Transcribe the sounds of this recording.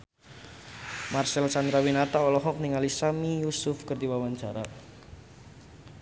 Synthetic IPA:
marsɛlsand̪ɾawinat̪aɔlɔɦɔk̚niŋalisamijusʊfkərd̪iwawand͡ʒa̤ɾa

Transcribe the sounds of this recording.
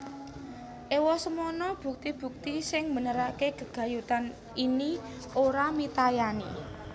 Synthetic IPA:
ʔewɔsəmɔnɔb̥ṳk̚t̪ib̥ṳk̚t̪isɪŋmənəɾakeɡ̥ə̤ɡ̥ä̤jut̪an | ini | oɾamit̪ajani

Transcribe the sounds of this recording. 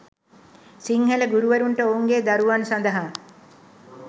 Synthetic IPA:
siŋheləɡuɾuʋəɾuɳʈəouŋɡeːd̪aɾuʋansand̪əɦa

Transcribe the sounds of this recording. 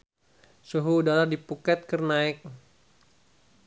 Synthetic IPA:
suɦuːdaladipukɛt̪̚kərnaɪk̚

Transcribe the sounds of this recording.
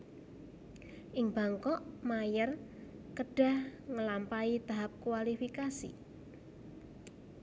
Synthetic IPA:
ʔɪŋba̤ŋkɔʔmajər | kəɖ̥a̤hŋəlampait̪aɦap̚kuwalifikasḭ

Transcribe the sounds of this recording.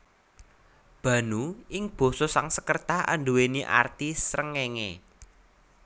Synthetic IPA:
b̥ä̤nuɪŋb̥o̤sosaŋsəkərt̪aa̰nɖuweniʔa̰rt̪isɾəŋeŋḛ

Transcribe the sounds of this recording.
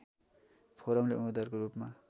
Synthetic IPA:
pʰoɾʌmleumed̪ʌrkoɾupma

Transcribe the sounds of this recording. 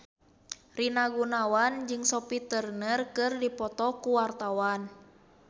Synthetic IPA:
rinaɡunawand͡ʒɨŋsɔpit̪ərnərkɨrdipɔt̪ɔkuwart̪awan

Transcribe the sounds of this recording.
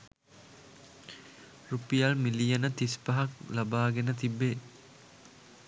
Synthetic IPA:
ɾupijalmilijɐnət̪ispɐɦɐklɐbaːɡenət̪ibːe

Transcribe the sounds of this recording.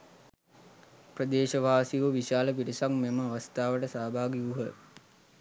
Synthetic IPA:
prəd̪eːʃəʋaːsiʋuʋiʃaːləpiɾisaŋmeməaʋast̪aːʋəʈəsaːbʱaːɡiuɦə

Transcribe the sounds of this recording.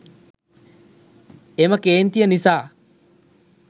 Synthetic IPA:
eməkeːnt̪ijənisaː

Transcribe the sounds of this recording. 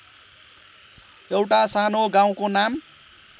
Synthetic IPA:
ewʈasanoɡaw̃konam

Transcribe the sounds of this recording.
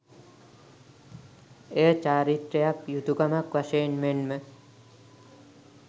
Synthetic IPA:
eət͡ʃaːɾit̪ɾejakjud̪uɡamakʋaʃejenmenmə

